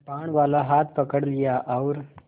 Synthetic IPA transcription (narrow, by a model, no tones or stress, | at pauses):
paɳ̃ʋalaɦat̪̚ʰpəkəɽlijaʔawɾ